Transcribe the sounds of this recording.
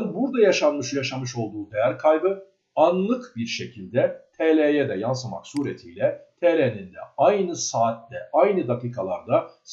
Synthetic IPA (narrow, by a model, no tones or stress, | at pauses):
nbuɾd̪ajaʃanmɯʃjaʃamɯʃo̞lˠd̪uːd̪ejæɾkʰajbɯ | anlˠɯkbiɾʃe̞cʰilʲd̪ɛt̪ʰeːlʲejɛd̪ɛjans̬ama̰ksuːɾet̪ʰiːlʲɛt̪ʰeːlʲenind̪ɛ̰ajnɯsaːt̪̚ːɛʔajnɯd̪akiːkʰalˠa̰ɾd̪as